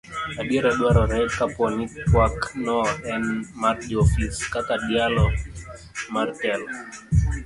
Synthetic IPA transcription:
aɗiɾɛɗwaɾɔɾɛkapɔnikpwaknɔɛnmaɾd͡ʒɔfiskakaɗialɔ | maɾtɛl

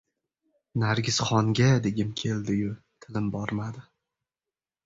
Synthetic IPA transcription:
naɾɡʲɪz̥χɒŋɡʲad̪e̞ɡʲɪmkʲʰe̞ld̪ɪjʊ | t̪ʰɪlɪmbɒɾmad̪ɪ

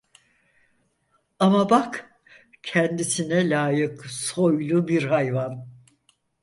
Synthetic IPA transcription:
amabak | cʰɛnd̪isinɛlʲaːjɯkso̞jlˠubiɾhajvan

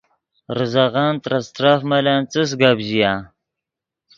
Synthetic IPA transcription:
ɾɨzaɣaːnt̪ɾast̪ɾafmalaːnt͡sɨs̬ɡabʑijaː

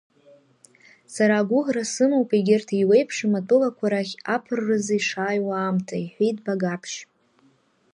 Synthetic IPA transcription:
saɾaːɡʷʊʁrasɨmowpʼeɡʲɪrtʰiwejpʰʂimatʼɨlakʷʰaɾaχʲapʰɨrːɨziʂaːjwaːmtʰaiħʷᶣejt̚ʼbaɡapʰʃ

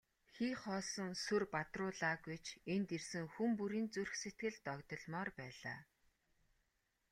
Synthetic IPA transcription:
xiːχɔːsɞ̆ŋsɵrpat̪rʊːɮaːɡujt͡ɕʰent̪ersɘ̆ŋxumpuɾiːnt͡surxset̪̚ɡɘ̆ɮt̪ɔkt̪ɞ̆ɮmɔːrpæːɮa̰ː

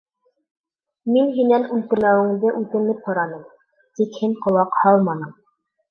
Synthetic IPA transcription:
minɦinænʉlk̪ɘ̆mæwɘ̆ŋd̪ɘʔʉt̪ɘ̆nɘphŏɾɑnɤɴ | t̪ikhiŋqŏlˠɑqhɑlˠmɑnɤɴ

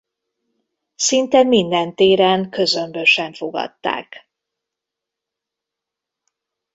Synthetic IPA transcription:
sint̪ɛmind̪ɛnt̪eːɾɛŋkø̞zømbøʃɛɱfo̞ɡɒ̰t̪ːa̰ːk

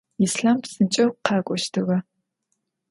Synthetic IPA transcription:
isɬampsɨnt͡ʃʼɐwqʰɑːkʷʼɔʃtʰɨʁɐ

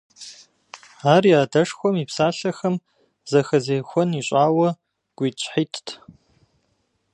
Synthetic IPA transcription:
aːrijaːdɐʂxʷɔmiːpsaːɬɐxɐm | zɐxɐzeːxʷɔniɕʼaːwɐ | ɡ̥ʷiːt͡ʃʷʰʼħiːtʰtʰ

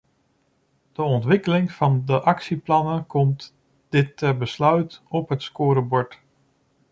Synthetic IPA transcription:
d̥əɔntʋɪkəlɪŋfɑndəʔɑksiplɑnəkʰɔmt | d̥ɪtʰːɛrbəslœɥtɔpɦətskʊːɾəbɔɹt

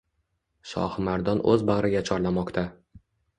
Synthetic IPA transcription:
ʃɒ̰hmaɾd̪ɒnʔɵ̰zbaʁɾɪɡʲat͡ʃʰɒɾlamɒqt̪ʰa

